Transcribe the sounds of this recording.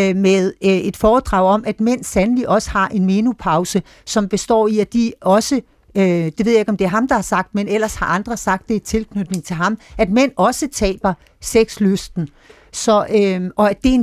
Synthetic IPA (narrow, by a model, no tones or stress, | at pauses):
með̞ˠe̝d̥fɒːd̥ʁɑ̈ʊɒ̽mʔæd̥men̰sænəliʔɒ̽sə̥hɑ̈ʔe̝nme̝ːnupʰɑ̈ʊsə | sɒ̽mb̥e̝sd̥ɒ̰ːiæd̥iɒ̽sə | d̥eʋe̝ð̰ˠjae̝ɡ̥ɒ̽md̥e̝æɐɦɑ̈md̥ɑ̈hɑ̈sɑ̈ɡ̥̚d̥menel̰ɐshɑ̈ʔɑ̈nd̥ʁɐsɑ̈ɡ̥d̥ːe̝t͡sʰe̝lkʰnød̥ne̝ŋt͡sʰe̝lɦɑ̈mæd̥men̰ɒ̽sət͡sʰɛ̰ːb̥ɐ | seɡ̥sløsd̥n̩ | sɒ̽øʔɒ̽æd̥e̝en